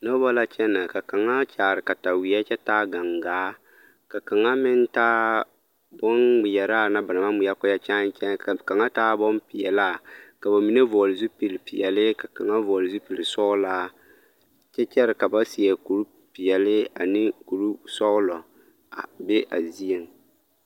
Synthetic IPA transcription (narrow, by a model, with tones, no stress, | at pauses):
no˦ba˦la˦t͡ʃɛ˦na˨ka˨ka˨ŋa˦t͡ʃaː˨ɾɪ˨ka˨ta˨wi˨ja˦t͡ʃɛ˦taː˦ɡa˨ŋɡaː˨˦ | ka˨ka˨ŋa˦mɪ˦n˦taː˦ | bɔ˦nɡ͡bɪ˨jɛ˨ɾaː˦˨na˦ba˨na˨ma˦ɡ͡bi˨ja˦kʊ˦ja˦t͡ʃa˦n˦t͡ʃɛ˦˨ka˨ŋa˦taː˦bɔ˦mpi˨jɛ˨la˦˨ka˨ba˨mi˨˦ne˦vɔ˨lɪ˨zu˦pi˨lpi˨jɛ˨lɪ˦ka˨ka˨ŋa˦vɔː˨lɪ˨zu˦pi˨lɪ˨sɔ˦laː˦ | t͡ʃɛ˦t͡ʃɛ˦ɾɪ˨ka˨ba˦si˨ɛ˨ku˨ɾu˦ | pi˨jɛ˨lɪ˦a˨nɪ˦ku˨ɾu˦sɔ˦ɣlɔ˨ | a˨be˦ʔa˨zi˦e˨m˨